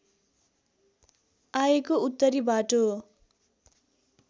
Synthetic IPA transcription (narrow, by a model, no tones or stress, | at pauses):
ajekout̪ːʌɾibaʈo